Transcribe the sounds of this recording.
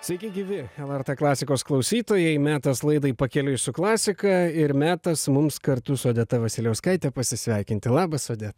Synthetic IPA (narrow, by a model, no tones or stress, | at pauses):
sʲʋʲɛɪkʲɪɡʲɪːʋʲɪɛlˠɛrt̪ɛklˠɑːsʲɪkoːsklˠɐʊsʲiːt̪oːjɛɪmʲæːt̪ɐslˠɐɪd̪ɐɪpɐkʲɛlʲʊsʊklˠɑːsʲɪkɐɪɾmʲæːt̪ɐsmʊmskɐɾt̪ʊsoːd̪ʲɛt̪ɐʋɐsʲɪlʲɛʊskɐɪt̪ʲɛpɐsʲɪsʲʋʲɛɪkʲɪnt̪ʲɪlˠɑːbɐsoːd̪ʲɛt̪ɐ